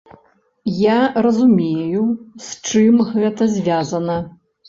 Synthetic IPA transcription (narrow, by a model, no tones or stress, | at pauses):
jarɐzumʲejusʲt͡ʂɨmɣɛt̪ɐzʲvʲazɐnɐ